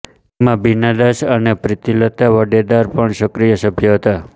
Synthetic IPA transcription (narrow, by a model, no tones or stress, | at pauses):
emãbinad̪aʃənepɾɪt̪ilət̪aʋəɖed̪aɾpəɳʃəkɾijəsəbʱjəɦət̪a